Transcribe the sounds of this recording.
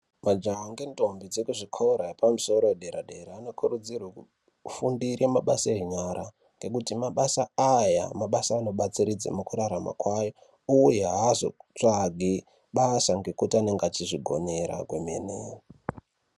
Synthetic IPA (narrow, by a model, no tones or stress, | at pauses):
mad͡ʒaŋɡe̞nto̞mbid͡zekuʐikʰoɾaepamuso̞ɾoweɗeɾaɗe̞ɾaːno̞kʰuɾud͡zirwaku | fundiremaɓasaeɲaɾa | ŋɡe̞kutimaɓasaaja̰maɓasaːno̞ɓat͡siɾid͡za̰mukuɾaɾama̰kwajo | ujeɦazo̞̰t͡ʂaɡʱi | ɓasaŋɡe̞kutiane̞ŋɡeat͡ʃiʐiɡʱo̞̰neɾa̰ɡwemeneːo